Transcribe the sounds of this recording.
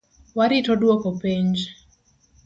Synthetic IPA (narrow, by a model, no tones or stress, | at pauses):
waɾitodwokopiɲd͡ʒ